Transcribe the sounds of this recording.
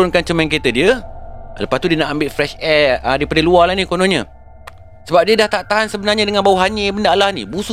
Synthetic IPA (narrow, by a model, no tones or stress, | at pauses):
ʊnkant͡ʃəmɛ̃nk̬et̪ədiələpast̪udiənaʔambɪt̪̚fɾɛʃɛədaipadəlualanikonõɲə̃ | səbap̚diədaht̪aʔt̪aɦansəbənarɲãdəŋãnbawuɦaɲə̃bəndaʔlahnḭbusu